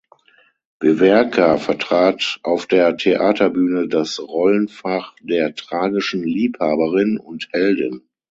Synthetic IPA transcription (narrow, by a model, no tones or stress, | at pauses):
v̥evɛɐkʰafɛɐtʁ̥aːtʔaʊfd̥eːɐtʰeʔaːtʰɐbyːnədasʁɔlənfaχd̥eːɐtʁ̥aːɡɪʃn̩liːphaːbəʁɪnʊnthɛldɪ̰n